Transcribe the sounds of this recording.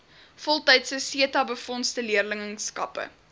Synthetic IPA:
fɔlˠtɛjtsəsiətɐbəfɔnstəliərləŋəŋskɐ̰pə̰

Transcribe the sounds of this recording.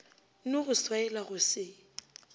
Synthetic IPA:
nʊɣʊswaɛlaɣʊsɪ

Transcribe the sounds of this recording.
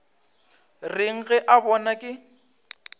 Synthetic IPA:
rɪŋ̩ɣɛʔabɔnakʼɪ

